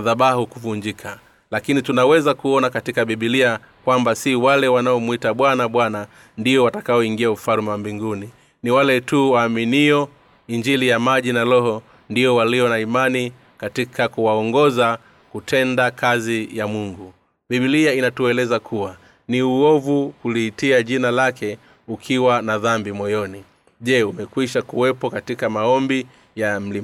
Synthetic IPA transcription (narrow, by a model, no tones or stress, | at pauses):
ðaɓahukuvuɲd͡ʒikʰa | lakinitunawɛzakuɔnakatikaɓiɓilia | kwambasiwalɛwanaɔmwitaɓwanaɓwana | ndiɔwatḁkaɔiŋɡiaufalmambiŋɡuni | niwalɛtuwaːminiɔ | iɲd͡ʒilijamaʄinalɔɦɔ | ndiɔwaliɔnaimani | katikʰakuwaɔŋɡɔza | kutʰɛndakazijamuŋɡu | biɓiliainatuɛlɛzakʰuwa | niuɔvukuliːtiaʄinalakɛ | ukʰiwanaðambimɔjɔni | ʄɛumɛkwiʃakuwɛpɔkatikamaɔmbi | jam̩li